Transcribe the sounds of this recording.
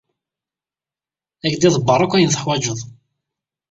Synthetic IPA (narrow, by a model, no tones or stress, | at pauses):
ækd̪iðˤəbːəɾˤakʷːæjənθə̥ħwæd͡ʒəðˤ